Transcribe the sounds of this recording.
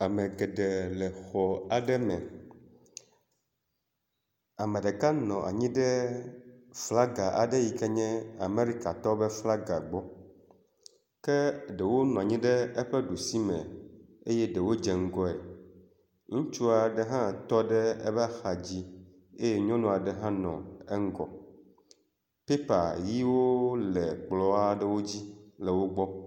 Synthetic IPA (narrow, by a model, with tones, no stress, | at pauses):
a˨mɛ̃˨ɡɛ˨ɖɛ˨lɛ˨xɔ˨a˨ɖɛ˦mɛ̰̃˨ | a˨mẽ˨ɖɛ˨ka˦nɔ̃˨ʔa̰˨ɲĩ˦ɖɛ˦ | fla˦ɡa˨ʔa̰˨ɖe˦ji˨kɛ˦ɲɛ̃˦a˨me˦ɾi˦ka˨t̪ɔ˦bɛ˦fla˦ɡa˨ɡ͡bɔ˦ | kɛ˦ɖe˨wo˦nɔ̃˨a˨ɲĩ˦ɖɛ˦e˦ɸɛ˦ɖu˨si˦mɛ̰̃˨e˦jɛ˦ɖɛ˨wo˦d͡ʒɛ˨ŋ̩˦ɡɔ˦ḛ˨ | ŋũ˦t͡ʃu˦a˨ɖɛ˦ɦã˦t̪ɔ˦ɖɛ˦ɛ̰˦bɛ˦a˦xa˨d͡ʑi˦ | e˦je˦ɲɔ̃˦nɔ̃˨a˨ɖɛ˦ɦã˦nɔ̰̃˨ɛ˦ŋ̩˦ɡɔ̰˨ | pe˦pa˨ji˦wo˦lɛ˨k͡plɔ˦a˦ɖɛ˦wo˦d͡ʑi˦lɛ˨wo˦ɡ͡bɔ˦